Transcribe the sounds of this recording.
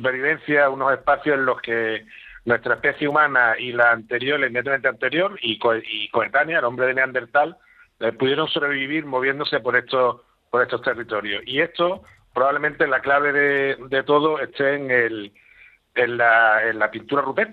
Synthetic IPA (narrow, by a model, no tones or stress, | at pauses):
upe̞ɾβiβe̞n̟θjauno̞se̞hpaθjosẽnlo̞hke̞nwe̞st̪ɾaehpe̞θjeumãnailaːnt̪e̞ɾjo̞leimejat̪̬ament̪eant̪e̞ɾjo̞ɾikoiko̞et̪anjaelo̞mbɾe̞ðeneãnd̪e̞ɾt̪al | puðje̞ɾo̞ŋso̞βɾe̞eβiβ̞iɾmo̞β̞je̞nd̪ose̞po̞ɾe̞ht̪o | po̞ɾe̞st̪o̞ht̪e̞rit̪o̞ɾjo̞hie̞st̪o̞ | pɾoβaβle̞mẽnt̪e̞laklaβ̞e̞ðe̞d̪e̞t̪o̞ðo̞e̞st̪e̞ːŋel | enlaenlapint̪uɾarupet̪